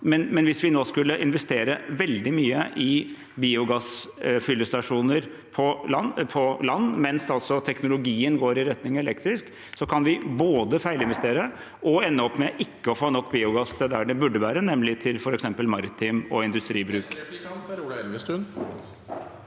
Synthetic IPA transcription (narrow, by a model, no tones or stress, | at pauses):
mɛnmɛnʋɪsʋɪnoːskʉlːəʔɪnʋɛst̪eːɾəʋɛld̪ɪmyːəʔɪ | biːʊɡɑsfʏlːəst̪ɑʂuːnəɾ | pʰɔɑnpʰɔlɑnːmɛnsɑlsɔt̪ʰɛknʊlʊɡiːənɡoːɾɪɾɛt̪nɪŋɛlɛk̚t̪ɾɪsk | sɔkʰɑnʋɪboːd̪əfæɪlɪnʋɛst̪eːɾə | ʔɔɛnːəɔpːmɛʔɪkːəɔfoːnɔkːbiːʊɡɑst̪ʰɛd̪æɖɛbʉɖːəʋæːɾənɛmːlɪt̪ʰɪlfɔɾɛksɛmpəlmɑɾɪt̪ʰɪmɔɪnd̪ʉst̪ɾiːbɾʉːk | sʉ